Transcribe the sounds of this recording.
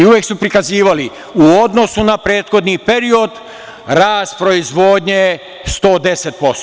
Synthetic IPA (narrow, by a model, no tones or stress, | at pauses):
iuʋjeksupɾikaziːʋali | uo̞d̪no̞sunapɾeːt̪xo̞d̪nipe̞ɾio̞d̪ | ɾaːst̪pɾo̞izʋoːd̪ɲe | st̪o̞ːd̪e̞set̪̚po̞st̪o